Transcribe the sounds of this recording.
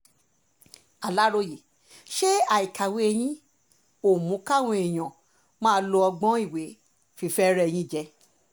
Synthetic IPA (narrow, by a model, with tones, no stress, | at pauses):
a˨la˦ɾo˧ji˨ | ʃe˦a˨i˨kʰa˨we˨˧e˧j̃ĩ˧˦ | o˨mũ˨˦ka˦˨w̃ũ˧˦e˨j̃ɔ̃˨ | mãː˦˧˦lo˧˦ɔ˧ɡ͡bɔ̃˦i˦˨we˨˦ | fi˧fɛ˦ɾɛ˦˧j̃ĩ˧˦˨d͡ʒɛ˧